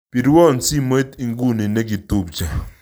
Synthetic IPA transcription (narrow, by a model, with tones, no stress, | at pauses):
pi˨ɾwɔ˦˨nsi˦m˦e˦t̪i˨ŋɡu˦ni˨ne˦ɡi˨tu˦˨p̚t͡ʃa˨